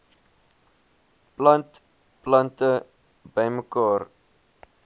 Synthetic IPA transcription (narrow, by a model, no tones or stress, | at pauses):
plɐnt | plɐntə | bəjməkɑːr